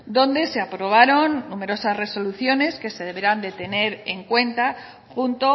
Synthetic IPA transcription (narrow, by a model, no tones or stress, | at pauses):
d̪o̞nd̪e̞seapɾo̞β̞aɾo̞nːume̞ɾo̞sazre̞so̞luθjo̞ne̞ske̞se̞ðe̞βeɾand̪e̞t̪e̞ne̞ɾeŋkwe̞nt̪a | xunt̪o